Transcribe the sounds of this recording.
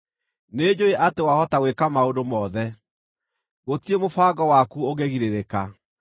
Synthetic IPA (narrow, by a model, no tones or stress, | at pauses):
ned͡ʑoeʔatewahɔtawekamaodomɔðɛ | ɣotiemofaɡɔwakuoɣeɣiɾeɾeka